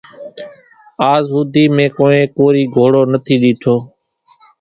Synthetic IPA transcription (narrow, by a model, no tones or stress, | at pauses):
aːzɦʊd̪ʱiːmẽːkoːẽːkoːɾiːɡʱoːɽoːnət̪ʰiːɗiːʈʰoː